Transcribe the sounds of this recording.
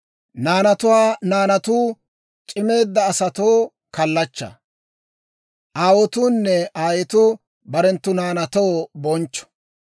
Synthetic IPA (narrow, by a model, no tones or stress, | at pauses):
naːnɐt̪ʊwaːnaːnɐt̪uː | t͡ʃʼɪme̞ːd̪ːɐːsɐt̪oː | kɐlːɐt͡ʃːɐ̰ | ʔaːwɔt̪uːnːɛaːjɛt̪ʊ | bɐɾɛnt̪ːʊnaːnɐt̪oːbɔnt͡ʃːɔ̥